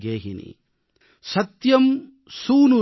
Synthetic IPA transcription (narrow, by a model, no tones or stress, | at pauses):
ɡeːɦḭnḭ | sɐt̪jɐm | suːnu